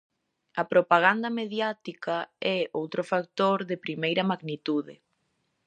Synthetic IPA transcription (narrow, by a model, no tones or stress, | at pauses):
ɐpɾopaɣ̞and̪ɐmeðjat̪ikaɛowt̪ɾʊfakt̪oɾðɪpɾimejɾɐmaɣnit̪uðɪ̰